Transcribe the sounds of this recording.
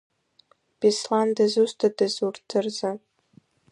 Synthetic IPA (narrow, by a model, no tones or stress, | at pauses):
b̥islandazustʰadɨzurtʰɨrza